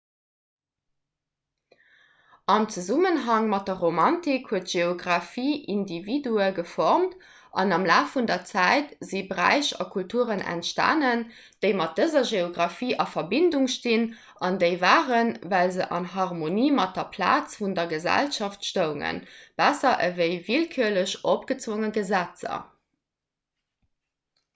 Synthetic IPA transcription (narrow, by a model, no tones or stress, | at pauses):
ɑmt͡suzumənɦɑŋmɑt̚dɐʁomɑntikhuətʒ̥eoɡʁɑfiːʔindividuəɡəfɔʁmt | ʔɑ̰nɑmlaːfundɐt͡sæɪtzibəʁæ̰ɪɕɑ̰kʰultʰuəʁənʔæ̰ntʃta̰ːnən | d̥əɪmɑt̚d̥əzɐʒeoɡʁɑfiːʔɑfɐbinduŋʃtin | ʔɑndəɪvaːʁənvæɪlzəʔɑ̰nɦɑʁmoniːmɑt̚dɐpʰla̰ːt͡sfundɐɡəzæ̰lʃɑftʃtəʊŋə̰nb̥æsɐʔəvəɪvilkʰyɐləɕʔopɡ̥ət͡svoŋəɡəzæt͡sɐ̰